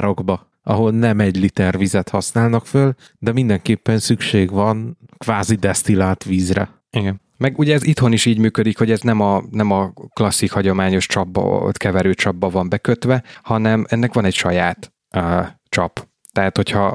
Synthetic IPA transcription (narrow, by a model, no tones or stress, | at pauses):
ɾoɡbɒ | ɒɦo̞lnɛmɛɟlit̪ɛrvizɛt̪hɒsnaːlnɒkføl | d̪ɛmind̪ɛŋkeːpːɛnsykʃeːɡvɒnkvaːzid̪ɛst̪ilaːt̪ʋiːzrɛ̰ | iɡɛn | mɛɡuɟɛːzit̪ho̞niʃiːɟmyːkød̪ikho̞ɟɛznɛmɒnɛmɒklɒsːikhɒɟo̞maːɲo̞ʃt͡ʃɒb̰ːt̪kɛvɛɾøːt͡ʃɒbːɒvɒmbɛkøt̪ʋɛhɒnɛmɛnːɛkʋɒnɛcʃɒjaːt̪ | øː | t͡ʃɒp | t̪ɛɦat̪ho̞cʰhɒ